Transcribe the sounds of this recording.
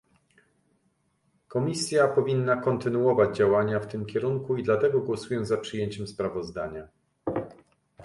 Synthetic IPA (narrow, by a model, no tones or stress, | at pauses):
kɔmʲisʲjapɔvʲinːakɔnt̪ɘnuɔvad͡ʑd͡ʑawaɲaft̪ɘmkʲɛɾuŋkuid̪lat̪ɛɡɔɡwɔsujɛzapʂɘjeɲt͡ɕɛmspɾavɔzd̪aɲa